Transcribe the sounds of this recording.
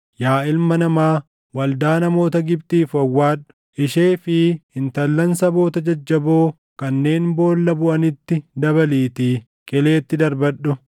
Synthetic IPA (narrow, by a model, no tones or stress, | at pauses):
jaːɪlmɐnɐmaː | wɐld̪aːnɐmo̞ːt̪ɐɡɪbt̪iːfɐwːaːᶑʊ̥ | ʔɪʃeːfɪhɪnt̪ɐlːɐnsɐbo̞ːt̪ɐd͡ʒɐd͡ʒːɐboː | kɐnːe̞ːnbo̞ːlːɐbʊʔɐnɪt̪ːɪd̪ɐβɐliːt̪iː | kʼɪle̞ːt̪ːɪd̪ɐɾbɐᶑːʊ